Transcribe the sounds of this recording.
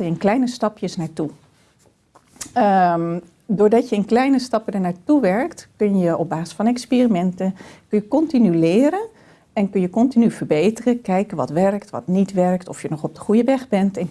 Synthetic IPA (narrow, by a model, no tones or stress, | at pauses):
əjənklɛjnəstɑpjəsnaːɹtu | dʊːɹdɑtjəənklɛjnəstɑpədəɹnaːɹtuʋɛɹktkɵnjəʔɔb̚baːsɪ̥sfɑnɛkspiːrimɛntənkɵnjəkɔntinylɪːɾən | ɛnkɵnjəkɔntinyv̥əɹbejtərəkɛjkənʋɑtʋɛɹktʋɑ̰tnitʋɛɹktɔfjənɔχɔb̚dəχujəʋɛχbɛntɛn